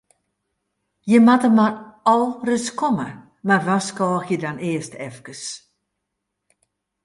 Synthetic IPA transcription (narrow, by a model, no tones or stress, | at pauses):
jəmatəmarɔlˠrəskɔmə | marʋaskɔːxjədaneəstʰɛfkəs